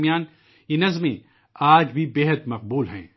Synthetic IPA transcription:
mijaːn | jenɐzmḛ̃ | aːd͡ʒbʱibeːɦəd̪mɐq̚buːlɦɛ̰̃ː

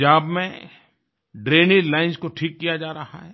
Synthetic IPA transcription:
aːbmẽ | ɖɾeːnilaːɪnzkoʈʰiːkːijad͡ʒaːɾɐɦa̰ɦɛː

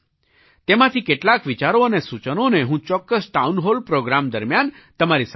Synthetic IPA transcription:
t̪emãt̪ʰikeʈlakʋit͡ʃaɾoənesut͡ʃənoneɦũt͡ʃɔkːəsʈaunɦolpɾoɡɾamd̪əɾmjan | t̪əmaɾis

